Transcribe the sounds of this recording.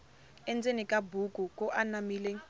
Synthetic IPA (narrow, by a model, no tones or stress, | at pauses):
ɛnd͡zenikʼabukʼukʼuʔanamiːle